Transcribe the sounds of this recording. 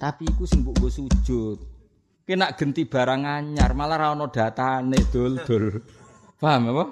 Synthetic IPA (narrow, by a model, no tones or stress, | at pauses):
t̪apiːkusɪŋbuʔŋɡosu̥ʒ̥ʊt̪̚ | kenaʔɡ̥ə̤nt̪ib̥a̤ɾaŋaɲarmalaɾaɔnɔd̪̥ä̤t̪aned̪̥o̤ld̪̥o̤l | pamepɔ